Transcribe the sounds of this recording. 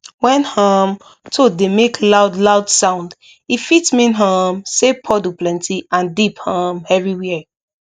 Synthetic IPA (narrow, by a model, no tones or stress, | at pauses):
wɛ̃nhɔm | tʰodemeklaʊdlaʊd̥sãʊ̃nd | ifitmĩnɦɔ̃msepʰɔdoplɛ̃ntʰiãndiphʌ̃mɛvɹiwɛ